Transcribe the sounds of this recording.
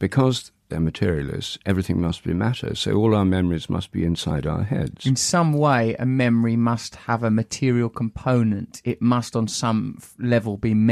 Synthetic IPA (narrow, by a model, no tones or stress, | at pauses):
b̥ɨkʰʌzðə˞mɨtʰɪɹil̩ˠɪ̰sʔɛvɹiθɪ̃ŋmʌst̚b̥ḭmæɾə̰˞d̥soʊɔlˠaʊə˞mɛmə˞izmʌ̰st̚b̥ḭɨ̃nsaɪɾaʊə̰˞ɦɛ̰dz̥ɪ̃nsʌ̃mweɪʔə̰mɛməɹimʌst̚həvəmətʰɪəɹiəlˠkʰə̃mpʰə̃ʊ̃nə̃ntɪʔ̚mʌstn̩sʌ̃mlɛvəlˠbim